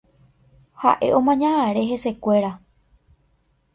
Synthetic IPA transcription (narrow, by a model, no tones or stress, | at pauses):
ha̰ʔe̞̰ʔõ̞mãɲãʔãɾe̞ɦe̞se̞kʷe̞ɾa